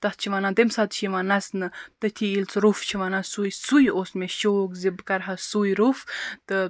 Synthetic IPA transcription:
t̪ɐht͡ʃʰiʋaːnãːt̪emsaːt̪̚t͡ʃʰiʋaːnɐsnɨt̪ɨt̪ʰiilt͡sɾuft͡ʃʰiʋaːnãsujsujoːsmẽʃoːkzibkɐɾɦɐsujɾuft̪ɨ

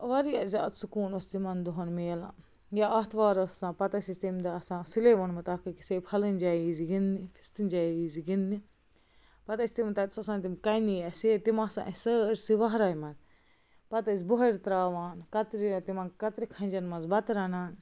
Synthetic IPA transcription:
ʋɐɾiɐza̰ːt̪sukuːnɐst̪imɐnd̪uɦɐnmeːlã̰ | jaɐːt̪ʰʋaːɾɐsːãːpɐt̪ɐsist̪imd̪aɐsãːsileːʋɐnmɐt̪aːkɐki̥seːphɐlɨnʲd͡ʒaiziɡinːifʰi̥st̪ɨnʲd͡ʒaiziɡinːi | pɐt̪ɐsʲt̪imt̪ɐt̪sɐsãːnt̪imkɐjniɐset̪imɐsã̰ʔɐsəːɾsiʋɐɦɾaːjmɐz | pɐt̪ɐsʲboɦɐɾt̪ɾaːʋaːnkɐt̪ɾijot̪imɐnkɐt̪ɾikʰɐ̃nʲd͡ʒɐnmɐnzbɐt̪ɾɐnaːn

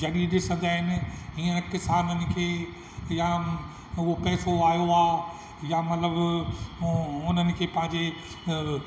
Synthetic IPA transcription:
d͡ʑɐɗiɗɪsə̃nd̪aːɦɪnɪ̆ɦiːə̃nkɪsaːnənɪ̆kʰeː | ja | ʊɦopɛːsoaːijoaː | jamɐt̪ləb | ʊnənɪ̆kʰeːpɐ̃ɦɪ̃ɲd͡ʑe

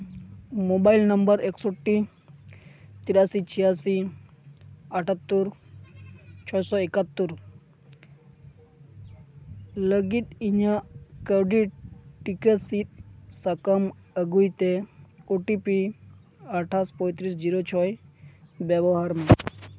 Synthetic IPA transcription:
mobailnəmbəɾeksoʈːi | t̪iɾasit͡ʃʰijasi | əʈʰət̪ːuɾ | t͡ʃʰɔjsɔikət̪ːuɾ | ləɡit̪iɲakəɖiʈʈːikesit̪̚sɐkəməɡujt̪eoʈipi | əʈʰaspɔjt̪ɾisd͡ʒiɾot͡ʃʰɔj | beboɦaɾmã

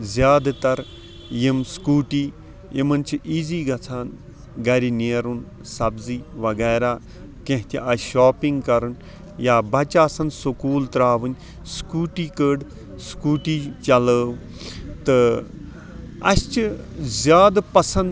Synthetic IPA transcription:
zʲjaːd̪t̪ɐɾ | jimskuːʈiː | emɐnt͡ʃʰiʔiːziːɡɐt͡sʰaːn | ɡɐɾineːɾun | sɐbziːʋɐɡɛːɾaː | kẽɦt̪ʲiʔɐʃaːpiŋɡkɐɾɨn | jaːbɐt͡ʃaːsɐnsukuːlt̪ɾaːʋɨn | skuːʈiːkəːɖ | skuːʈiːt͡ʃɐləːw | t̪ɨ | ɐ̰st͡ʃɨzjaːd̪pɐsɐ̃nd̪

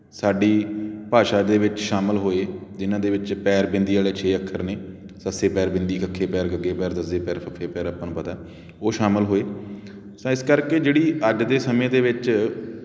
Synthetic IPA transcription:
saːɖiːpaːʃaːd̪eːʋɪt͡ʃʃaːməlɦoːeːd͡ʒɪnãːd̪eːʋɪt͡ʃpɛːɾbɪ̃nd̪iːaːleːt͡ʃʰeːəkʰːəɾneː | səseːpɛːɾbɪnd̪iːkʰəkʰːeːpɛːɾɡəɡeːpɛːɾd̪əzeːpɛːɾpʰəkʰeːpɛːɾəpənpət̪aː | oːʃaːməlɦoːeː | sãːɪskəɾkeːd͡ʒeːɽiːəd͡ʒd̪eːsəmẽːd̪eːʋɪt͡ʃ

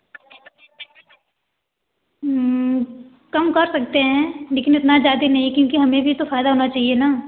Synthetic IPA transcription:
kɐmkɐɾsɐk̚t̪eɦɛ̃leːkɪnɪt̪nad͡ʒaːd̪inɐɦĩkjõːkiɦɐmẽbʱit̪ofaːɪd̪aɦoːnat͡ʃaːɦienaː

